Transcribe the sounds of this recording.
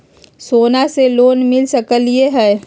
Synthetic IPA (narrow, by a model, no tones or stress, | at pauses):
soːnaseloːnmɪlsəkəlieɦɛː